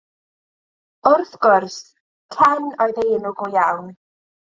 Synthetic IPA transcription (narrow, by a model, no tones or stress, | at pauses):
ʊrθɡ̥ʊrs | kʰɛnɔjðeɪnʊɡɔjawn